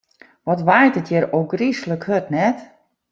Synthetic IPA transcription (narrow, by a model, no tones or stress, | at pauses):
ʋɔtʋajtətʰjəɾoːɡrisləkhøtnɛt